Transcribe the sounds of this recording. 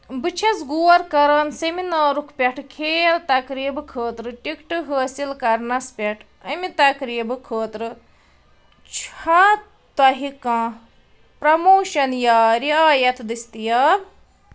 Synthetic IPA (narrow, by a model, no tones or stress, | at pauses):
bɨt͡ʃʰɐsɡuːɐɾkɐɾɐnseminaːɾukʰpʲɐʈʰkʰeːlt̪ɐkɾiːbɨkʰəːt̪ɾɨʈikʈɨɦəːsilkɐɾnɐspʲɐʈʰ | ɐmit̪ɐkɾiːbɨkʰəːt̪ɾɨ | t͡ʃʰhaː | t̪ɐɦikãː | pɾɐmoːʃɐnjaːɾiaːjɐt̪ʰd̪ɨst̪ijaːb